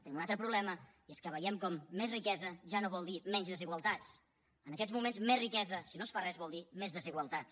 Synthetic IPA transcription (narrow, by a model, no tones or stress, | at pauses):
t̪ənimunalt̪ɾəpɾuβlɛmə | ieskəβəjɛmkɔmːezrikɛzəʒanoβɔlˠd̪imɛɲzðəziɣwəlˠt̪at͡s | ənəkɛzmumenzmezrikɛzəsinosfarɛzβɔlˠd̪imezðəziɣwəlˠt̪at͡s